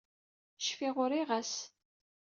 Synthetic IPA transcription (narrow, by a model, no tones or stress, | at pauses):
ʃfiʁʊɾiʁæs